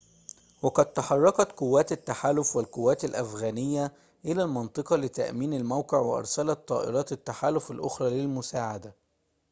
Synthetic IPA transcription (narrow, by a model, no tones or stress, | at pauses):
wɑqɑd̪̚t̪ɑħɑrˤːɑqɑt̪qʊwːæːt̪ɪt̪ːaħaːlʊfwɪlqʊwːæːt̪ɪlʔæfɣæːnɪjːæ | ʔɪlæːlmɑnt̪ˤɨqɑlɪt̪a̰ʔmiːnalmawqɪʕwɪʔɑ̰ɾˤsælɑt̪ˤːɑːʔɪ̰ɾˤɑːt̪ɪt̪ːaħaːlʊfalʔʊxɾˤɑːlɪlmʊsaːʕad̪a